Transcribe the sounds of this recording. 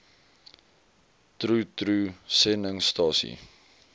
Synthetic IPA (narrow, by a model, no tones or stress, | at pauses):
tɾutɾusɛnəŋstɑːsḭ